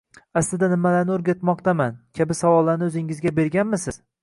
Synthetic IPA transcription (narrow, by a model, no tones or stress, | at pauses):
aslɪd̪anɪmalaɾnɪɵɾɡʲat̪mɒqt̪amankʲʰabɪsawɒlˠːaɾnɪɵzɪŋɪzɡʲabe̞ɾɡʲanmɪsɪz̥